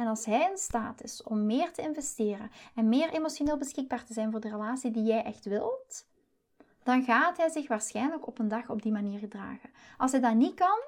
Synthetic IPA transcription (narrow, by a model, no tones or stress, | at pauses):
ɛnɑlˠsɦɛjɪnstaːtɪsɔmːɪːrtəɪnvɛstɪːrənɛnmɪːrʔemosoneːlˠbəsxɪɡ̚baːɹtəzɛjnvʊːɹdərəlaːsidijɛjʔɛxtʋɪlˠt | d̥ɑnɣaːtɦɛjzɪxʋaːɹsxɛjnələkɔpəndɑxɔb̚dimaniːɹɣədra̰ːɣə | ʔɑlˠsɦɛjdɑnitkɑn